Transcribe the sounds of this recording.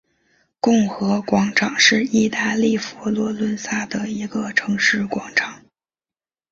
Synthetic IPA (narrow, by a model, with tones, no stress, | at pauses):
kʊ˥˩ŋxɤ˧˥kwɑ˧˥ŋʈ͡ʂʰɑ˨˩˦ŋʂɻ̩˥˧i˥˧t̪a˥˧li˥˩fɔ˧˥lwɔ˧˥lwə˧˥nsa˥˩d̪ə˩i˧˥ɡə˧ʈ͡ʂʰɤ˧˥ŋʂɻ̩˥˩kwɑ˧˥ŋʈ͡ʂʰɑ˨˩˦ŋ